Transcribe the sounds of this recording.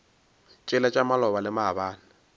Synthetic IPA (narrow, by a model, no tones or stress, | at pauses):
t͡ʃʼɪlat͡ʃʼamalɔbalɪmaabaːnɪ